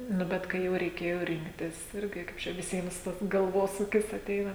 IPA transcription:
nʊ ˈbʲɛt ˈkɐɪ jɛʊ rʲɛɪˈkʲeːjoː ˈrʲɪŋktʲɪs ˈɪrʲɡʲɪ ˈkɐɪp t͡ʃʲɛ ʋʲɪˈsʲiɛms ˈtɐs ɡɐlˠˈʋoːsuːkʲɪs ɐˈtʲɛɪnɐ

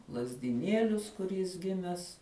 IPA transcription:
lˠɐzʲdʲɪˈnʲiɛlʲʊs kʊr jɪs ˈɡʲɪmʲɛs

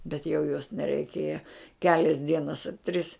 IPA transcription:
bʲɛt jɛʊ joːs nʲɛrʲɛɪˈkʲeːjɛ ˈkʲæːlʲɛs ˈdʲiɛnɐs ɐ tʲrʲɪs

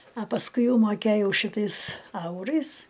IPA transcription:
ɐ pɐsˈkʊɪ ˈjɛʊ mɐˈkʲeːjɛʊ ʃʲɪˈtɐɪs ˈɐʊrɐɪs

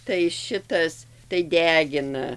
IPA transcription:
tɐɪ ˈʃʲɪtɐs tɐɪ ˈdʲæːɡʲɪnɐ

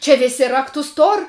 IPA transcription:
t͡ʃʲɛ ˈʋʲeːsʲɪ ˈrɑːktʊs ˈtoːrʲ

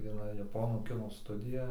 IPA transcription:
ʋʲiɛˈnɐ jɛˈpoːnuː ˈkʲɪnoː ˈstʊdʲɪjɛ

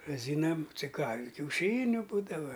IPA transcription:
rɐˈzʲiːnɐm t͡sʲɪ kɑː ɪ kʲɛʊˈʃʲiːnʲʊ ˈbuːdɐʋɐ

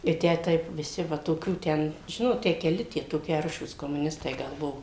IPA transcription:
ɪ ˈtʲæː ˈtɐɪp ʋʲɪˈsʲɪ ˈʋɐ toːˈkʲuː ˈtʲɛn ˈʒʲɪnoːt ˈtʲæː kʲɛˈlʲɪ toːˈkʲɪ ˈɐrʃuːs koːmʊˈnʲɪstɐɪ ˈɡɐlˠ ˈbʊʋoː

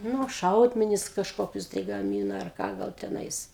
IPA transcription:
ˈnʊ ˈʃɐʊdʲmʲɛnʲɪs kɐʃˈkoːkʲʊs tɐɪ ɡɐˈmʲiːnɐ ɐr kɑː ˈɡɐlˠ tʲɛˈnɐɪs

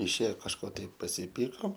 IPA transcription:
ɪʃʲˈeːjoː kɐʃˈkoː ˈtɐɪp pɐsʲɪˈpʲiːkoːm

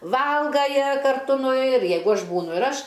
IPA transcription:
ˈʋɐlˠɡɐ ˈjiɛ kɐrˈtʊ nʊ ɪr ˈjɛɪɡʊ ˈɐʃ ˈbuːnʊ ɪr ˈɐʃ

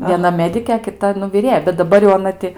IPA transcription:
ʋʲiɛˈnɐ ˈmʲæːdʲɪkʲeː ɐ kʲɪˈtɐ nʊ ʋʲɪˈrʲeːjɛ bʲɛt dɐˈbɐr jɛʊ ɐˈnɐ tʲɪ

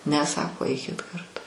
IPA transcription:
ˈnʲɛ ˈsɑːkoː ˈɐɪkʲɪt kɐrˈtʊ

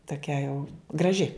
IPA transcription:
toːˈkʲɛ jɛʊ ɡrɐˈʒʲɪ

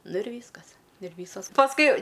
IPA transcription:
ˈnʊ ɪr ˈʋʲiːskɐs ɪr ˈʋʲiːsoːs pɐsˈkʊɪ

